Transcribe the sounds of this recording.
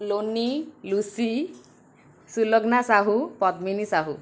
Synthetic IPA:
lonilusi | sulɔɡnasaɦupɔt̪minisaɦu

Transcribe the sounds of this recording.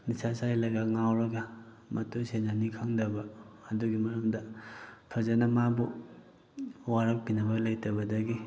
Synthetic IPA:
nisasajlɐɡaŋawɾɐɡɐ | mɐtusenanikʰaŋdɐbɐːduɡimɐɾɐmdɐpʰɐzɐnɐmabu | waɾɐk̚pinɐbɐlɐjtɐbɐdɐɡi

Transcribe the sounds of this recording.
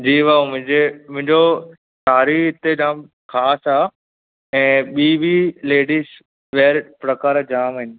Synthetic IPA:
d͡ʑiːʋaːmʊ̃ɪ̃ɲd͡ʑemʊ̃ɪ̃ɲd͡ʑo | saːɾiɪt̪ed͡ʑaːm | kʰaːsaː | ɛ̃ːɓiːʋileːɖiːs | ʋeːɾpɾɐkaːɾd͡ʑaːmɦɪnɪ̆

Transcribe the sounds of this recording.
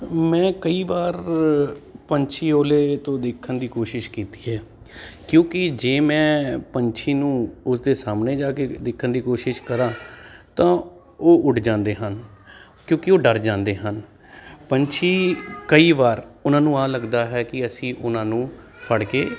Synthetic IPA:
mɛ̃ːkəiːbaːɾ | pəɲt͡ʃʰiːoːleːt̪õːd̪ɪkʰːənd̪iːkoːʃɪʃkiːt̪i̥ːɦɛː | kjõːkɪd͡ʒeːmɛ̃ːpəɲt͡ʃʰiːnũːʊsd̪eːsaːmneːd͡ʒaːked̪ɪkʰːənd̪iːkoːʃɪʃkəɾãːt̪ãː | oːʔʊʈʰd͡ʒãːnd̪eːɦən | kjõːkɪoːɖəɾd͡ʒãːnd̪eːɦən | pəɲt͡ʃʰiːkəiːʋaːɾʊnãːnũːaːləɡd̪aːɦɛːkɪəsĩːʔʊnãːnũː | pʰəɽkeː

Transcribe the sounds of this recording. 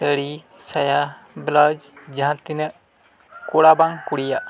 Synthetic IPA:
t̪əɽi | saja | blad͡ʒd͡ʒəɦãːt̪ɪnə | koɽabaŋkuɽijaː

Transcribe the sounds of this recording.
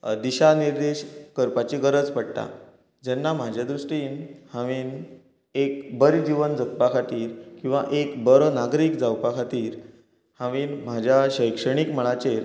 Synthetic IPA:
d̪iɕaniɾd̪eɕkəɾpat͡ɕiɡəɾəd͡zpəɽt̪a̰ | d͡ʑɛnːam̤ad͡ʑʱjad̪ɾuʂʈiːnhãʋiːn | ekbəɾid͡ʑiʋənd͡zək̚pakʰat̪iːɾkĩw̃ʋaʔekbəɾənaɡɾiːkd͡zawpakʰat̪iːɾ | hãʋiːnm̤ad͡ʑʱjaɕəjkʂəɽ̃ikməɭat͡ɕeɾ

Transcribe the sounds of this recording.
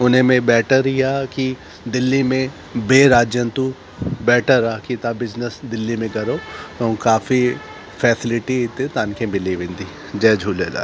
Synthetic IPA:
ʊnɦẽmẽbɛːʈəɾijaki | d̪ɪlːimẽ | beːɾaːd͡ʒjənt̪u | bɛːʈʰəɾakit̪abɪznəsd̪ɪlːimẽkɐɾot̪õkaːfi | fʰɛːsɪlɪʈit̪ẽt̪aːnkẽbɪliʋɪ̃nd̪i | d͡ʒɛːd͡ʒʱuːleːla̰ː

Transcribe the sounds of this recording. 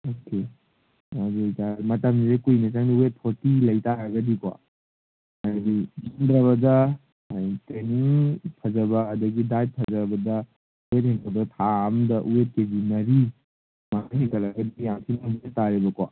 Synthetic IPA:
oke | ad͡ʒejtamɐtɐmizekujnɐt͡ʃaŋdiuet̚pʰoɾtilɐjtaɾɐɡɐdikwa̰ | aɡimandɾɐβɐdɐ | aiteniŋpʰɐd͡ʒɐbɐːdɐɡidajp̚pʰɐd͡ʒɐbɐdɐ | uwet̚hiŋkʰɐdtʰamdɐʔuwet̚kebinɐɾi | manaɦiŋkʰɐlɐɡɐdijaŋtʰinabidetaɾibɐkwa̰

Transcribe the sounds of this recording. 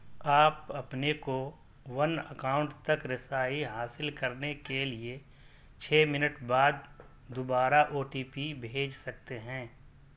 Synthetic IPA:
aːpɐpneko | ʋɐnə̰kaːʊ̃ɳʈt̪ɐkɾɪsaːiɦaːsɪlkɐɾnekelie | t͡ʃʰɛːmɪnəʈbaːd̪ | d̪ʊbaːɾaʔoːʈiːpibʱeːd͡ʒsɐk̚t̪eɦɛ̃ː

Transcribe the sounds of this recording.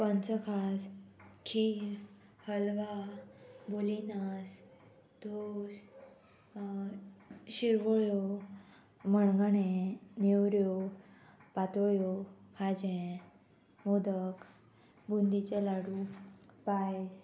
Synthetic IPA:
pə̃nt͡səkʰaskʰi | həlʋa | bolinas | d̪̥os | ɕiɾʋəɭjo | məɳɡɳẽnewɾjo | pat̪oɭjokʰad͡ʑẽ | mod̪ək | bund̪it͡ɕelaɽupajs

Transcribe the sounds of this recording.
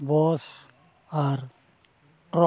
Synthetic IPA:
bɔːs | aɾ | ʈɾɔ

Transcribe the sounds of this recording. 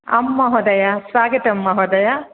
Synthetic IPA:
ɐ̰mːɐɦɔd̪ɐjasʋaːɡɐt̪ɐmːɐɦɔd̪ɐja

